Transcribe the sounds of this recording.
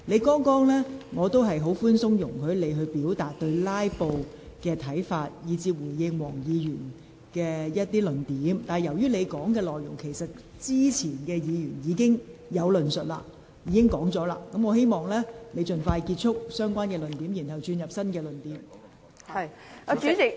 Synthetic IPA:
le˨˧jkɔː˥ŋkɔː˥ŋlɛː˥ŋɔː˨˧t̪o˥wɦɐ˨jɦo˨˥wfuː˥nsʊ˥ŋjʊ˨˩ŋkʰɵ˨˧˥le˨˧jɦɵ˧ɥpiː˨˥wt̪aː˨t̚t̪ɵ˧ɥlaː˥jpo˧w | kɛː˧t̪ʰɐ˨˥jfaː˧t̚jiː˨˧t͡siː˧p̚wuː˨˩jjɪ˧ŋwɔː˨˩ŋjiː˨˧jyː˨˩n | kɛː˧jɐ˥t̚t̪iː˥lɵ˨nt̪iː˨˥mt̪aː˨˩jɐ˨˩wjyː˥le˨˧jkɔː˨˥ŋkɛː˧lɔː˨jʊ˨˩ŋkʰe˨˩jsɐ˨t̚ | t͡siː˥t͡sʰiː˨˩nkɛː˧jiː˨˧jyː˨˩njiː˨˧kɪ˥ŋjɐ˨˧wlɵ˨nsɵ˨t̚la̰ː˧ | jiː˨˧kɪ˥ŋkɔː˨˥ŋt͡sɔː˨˥la̰ː˧kɐ˨˥mŋɔː˨˧he˥jmɔː˨˩ŋlɛː˥le˨˧jt͡ʃɵ˨nfaː˧jki˧t̚t͡ʃʰʊ˥k̚sœː˥ŋkʷwaː˥nkɛː˧lɵ˨˩nt̪iː˨˥mjiː˨˩nhɐ˨wt͡ʃyː˧njɐ˨p̚sɐ˥nkɛː˧lɵ˨˩nt̪iː˨˥m˨˧˨

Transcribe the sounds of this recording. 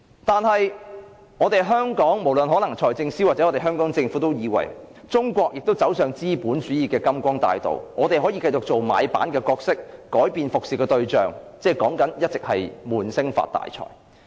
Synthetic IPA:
t̪aː˨nɦɐ˨j | ɔː˨˧t̪e˨jɦœː˥ŋkɔː˨˥ŋmo˨˩wlə˨nɦɔː˨˥lɐ˨˩ŋt͡ʃʰɔː˨˩jt͡sɪ˧ŋsiː˥waː˨t͡sɛ˨˥ɔː˨˧t̪e˨˩ɦœː˥ŋkɔː˨˥ŋt͡sɪ˧ŋfuː˨˥t̪o˥wjiː˨˧wɐ̰˨˩j | t͡sʊ˥ŋkʷɔː˧k̚jɪ˨k̚t̪o˥wt͡sɐ˨˥wsœː˨ŋt͡siː˥puː˨˥nt͡ʃyː˨˥jiː˨˩kɛː˧kɐ˥mkʷɔː˥ŋt̪a̰ː˧jt̪o̰˨wŋɔː˨˧t̪e˨jɦɔː˨˥jiː˧kɐ˧jt͡sʊ˨k̚t͡so˨wma̰ː˨˧jpa̰ː˨˥nkɛː˧kɔː˧k̚sɪ˥k̚ːɔː˨˥jpiː˨nfʊ˨k̚siː˨˩kɛː˧t̪ɵ˧ɥt͡ʃœː˨˩ŋt͡sɛː˧˥˩kɔː˨˥ŋkɐ˨˥njɐ˥t̚t͡sɪ˨˩k̚hɐ˨jmuː˨˩nsɪ˥ŋfa̰ː˧t̚t̪ːa̰ː˨jt͡sʰɔ̰ː˨˩j

